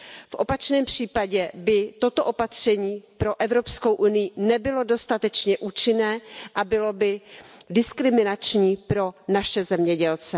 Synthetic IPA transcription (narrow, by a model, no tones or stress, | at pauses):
fʔo̞pat͡ʃnɛːmpr̝̥iːpaɟɛbɪt̪o̞t̪oʔopat̪r̝̥ɛɲiːpɾo̞ʔɛvɾo̞psko̞wʔunɪjɪnɛbɪlo̞do̞st̪at̪ɛt͡ʃɲɛʔuːt͡ʃɪnɛːʔabɪlo̞bɪdɪskɾɪmɪnat͡ʃɲiːpɾo̞naʃɛzɛmɲɛɟɛlt͡sɛ